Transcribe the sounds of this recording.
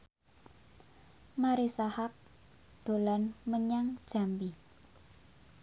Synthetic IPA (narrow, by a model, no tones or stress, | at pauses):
maɾisahap̚ | d̪̥o̤lanməɲaŋd̥ʒ̥a̤mbi